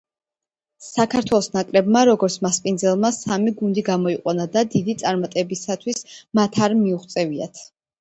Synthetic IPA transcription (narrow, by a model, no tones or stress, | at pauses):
sakʰaɾt̪ʰwɛlˠɔsnakʼɾɛbmaɾɔɡɔɾt̪sʰmaspʼind̪zɛlˠmasamiɡund̪iɡamɔiqʼwanad̪ad̪id̪it̪sʼaɾmat̪ʼɛbisat̪ʰwismat̪ʰaɾmiuχt̪sʼɛvia̰t̪ʰ